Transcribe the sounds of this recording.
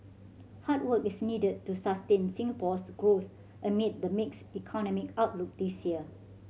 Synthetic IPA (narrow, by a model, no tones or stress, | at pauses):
hat̚wəkisnidəd̚tːusastẽnsĩŋəpɔsɡɹoθ | ʔəmit̚dəmiksikʰɔnɔmikaʊt̚luk̚disjiə